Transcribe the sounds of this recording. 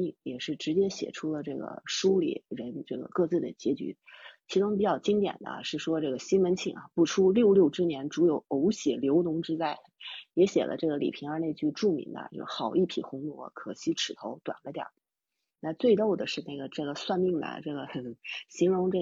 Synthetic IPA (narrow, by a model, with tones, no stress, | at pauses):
i˥˧˩ŋjɛ˨˩ʂɻ̩˥˩ʈ͡ʂɻ̩˧˥t͡ɕjɛ˥ɕjɛ̰˨˩ʈ͡ʂʰu˥lə˨ʈ͡ʂɤ˥˩ɡə̰˩ʂu˥lḭ˨˩˦ɻə˧˥nʈ͡ʂɤ˥˩ɡə̰˩kɤ˥˧t͡sɹ̩˥˩d̪ə˩t͡ɕjɛ˧˥t͡ɕy̰˧˥t͡ɕʰi˧˥ʈ͡ʂʊ˥ŋp̬i˨˩t͡ɕjɑ˥˩ʊt͡ɕi˥ŋt̪jɛ̰˨˩nd̪ə̰˦ʂɻ̩˥˩ʂwɔ˥ʈ͡ʂɤ˥˩ɡə˩ɕi˥nwə˧˥nt͡ɕʰi˥˩ŋɐ̰˧˩pu˥˩ʈ͡ʂʰu˥ljo˥˧ʊljo˥˩ʊʈ͡ʂɻ̩˥njɛ˧˥nʈ͡ʂu˧˥jo˨˧˩ʊo˧˥ʊɕjɛ˨˩ljo˧˥ʊnʊ˧˥ŋʈ͡ʂɻ̩˥t͡sa˥˩ɪ | jɛ˧˥ɕjɛ̰˨˩lə̰˦ʈ͡ʂɤ˥˩ɡə˩lḭ˨˩pʰi˧˥ŋə˞˧˥ne˥˧ɪt͡ɕy˥˧ʈ͡ʂu˥˩mḭ˧˥ŋd̪ə̰˧jo˥˧ʊxɑ˨˩ʊi˥˩pʰḭ˨˩xʊ˧˥ŋlwɔ˧˥kʰɤ˨˩ɕi˥ʈ͡ʂʰɻ̩˨˩t̪ʰo˧˥ʊt̪wa̰˨˩nlə˦t̪jɑ̰˨˩˦ | na˥˧t͡swe˥˧ɪt̪o˥˩ʊd̪ə˩ʂɻ̩˥˧na˥˩ɡə˩ʈ͡ʂɤ˥˩ɡə˩swa˥˧nmi˥˩ŋd̪ə̰˩ʈ͡ʂɤ˥˩ɡə˩ɕi˧˥nɻʊ˧˥ŋʈ͡ʂɤ˥˩